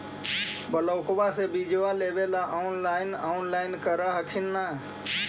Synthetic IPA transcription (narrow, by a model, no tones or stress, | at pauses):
bələʊkbasebid͡ʒʋaleːbelaʔaːʊnlaːɪnaːnlaːɪnkəɾaɦəkʰinːaː